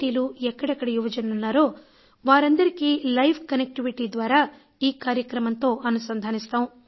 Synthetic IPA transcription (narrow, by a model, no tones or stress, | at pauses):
iːluɛkːɐɽɛkːɐɽɐjuʋɐd͡ʒɐnɐlunːaːɾo̞ː | ʋaːɾɐnd̪ɐɾikilɐjpʰkɐnek̚ʈiʋiʈiːd̪ʋaːɾaː | iːkaːɾjɐkɾɐmɐnt̪o̞ːʔɐnusɐnd̪ʱaːnist̪aːwũ